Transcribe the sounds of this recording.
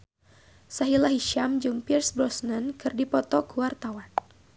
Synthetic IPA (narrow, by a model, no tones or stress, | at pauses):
saɦilaɦiʃamd͡ʒuŋpirsbɾɔsnənkɨrdipɔt̪ɔkuwart̪awan